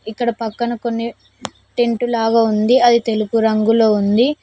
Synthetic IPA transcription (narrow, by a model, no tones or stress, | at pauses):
ikːɐɽɐpɐkːɐnɐko̞nːi | ʈeɳʈulaːɡaːund̪iɐd̪it̪e̞lupuɾɐŋɡuloːund̪i